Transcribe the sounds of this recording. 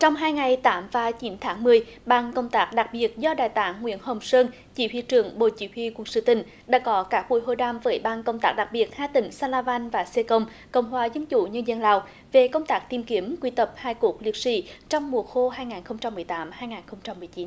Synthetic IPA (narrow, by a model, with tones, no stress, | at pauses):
t͡ɕɔ˧wŋ͡mɦaː˧jŋa˨˩jt̪aː˨˦mvaː˨˩t͡ɕi˨˦nt̪ʰaː˨˦ŋmɨ˨˩əjɓaː˧nkə˧wŋ͡mt̪aː˦˥k̚ɗa˨˩k̚ɓi˨˩ət̚zɔ˧ɗaː˨˩jt̪aː˨˦ŋːwḭ˧˥ənhə˨˩wŋ͡msəː˧n | t͡ɕi˧˦t̪wḭ˧˨t͡ɕɨ˧˩əŋɓo̰˧˨t͡ɕḭ˧˥˦hʰwḭ˧˨kwu˨˩k̚sɨ̰˧˨˦t̪ï˧˨˩ŋ̟ɗa̰ː˧˥kɔ˨˦kaː˦˥k̚ɓṵ˧˩˨jɦo˧˩jɗaː˧mvəː˨˦jɓaː˧nkə˧wŋ͡mt̪aː˦˥k̚ɗa˨˩k̚ɓi˨˩ət̚haː˧t̪ï˧˩ŋ̟saː˧laː˧vaː˧nvaː˨˩se˧kə˧wŋ͡m | kə̰˧˨wŋ͡mhwaː˨˩zə˧nt͡ɕṵ˧˩˨ɲə˧nzə˧nlaː˧˨w | ve˨˩kə˧wŋ͡mt̪aː˦˥k̚t̪i˨˧˩mki˨˦əmkwi˧t̪ə˨˩p̚haː˧jku˧˩ək̚li˨˩əp̚sḭ˧˥˦t͡ɕɔ˧wŋ͡mmu˨˩ət̚xo˧ɦaː˧jŋaː˨˩nxə˧wŋ͡mt͡ɕa˧mːɨ˨˩əjt̪aː˨˦mhaː˧jŋaː˨˩nxə˧wŋ͡mt͡ɕa˧mːɨ˨˩əjt͡ɕi˨˦n